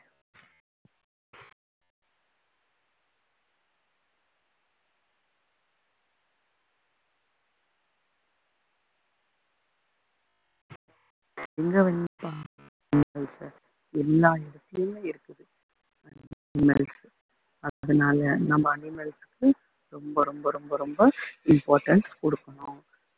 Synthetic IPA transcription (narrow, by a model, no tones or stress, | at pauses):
ɪŋɡɐʋɐnːipaː | nɪɛls | ɛlːaːɛɾɯt̪ːɐjɯmeːɪɾɯkːɯðɯ | ɐnnɪmḛls | ɐðaːɐðɯnaːlɐnɐmbɐːnɪmeːlsɯ̥kːɯ | ɾɔmbɐɾɔmbɐɾɔmbɐɾɔmbɐɪmpaːɾʈɐɳʈkɔɽɯkːɐɳʊ̃